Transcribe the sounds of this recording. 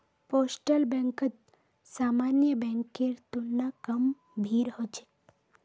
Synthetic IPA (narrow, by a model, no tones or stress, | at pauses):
posʈəlbɛ̃ŋkət̪ | samanjəbɛ̃ŋkeɾt̪unːakəm | bʱiːɾɦot͡ʃʰe̥